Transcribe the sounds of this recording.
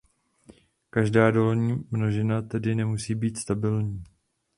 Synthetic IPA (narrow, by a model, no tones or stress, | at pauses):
kaʒdaːdo̞lɲiːmno̞ʒɪnat̪ɛdɪnɛmusiːbiːt̪st̪abɪlɲiː